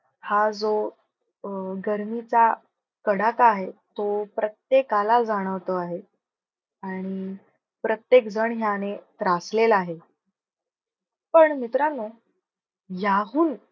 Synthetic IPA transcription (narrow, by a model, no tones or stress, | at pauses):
had͡zo | ɡəɾmit͡sa | kəɽakaɦet̪opɾət̪jekalad͡zaɽ̃əʋt̪əaɦe | aɽ̃i | pɾət̪jekd͡zəɳɦjañet̪ɾaslelaɦe | pəɳmit̪ɾano | jaɦuːn